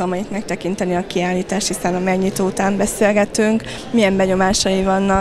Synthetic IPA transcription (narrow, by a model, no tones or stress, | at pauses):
ɒmɒit̪mɛk̚t̪ɛkin̪t̪ɛniɒkiaːlːiːt̪aːʃt̪hisɛnɒmɛɡɲit̪oːut̪aːmbɛselɡɛt̪yŋk | mijɛmbɛɲo̞maːʃɒjivɒnːɒ